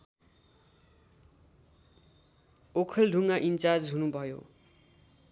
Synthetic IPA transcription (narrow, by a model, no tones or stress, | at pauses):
okʰʌlɖʱuŋaʔint͡sard͡zɦunubʱʌjo̰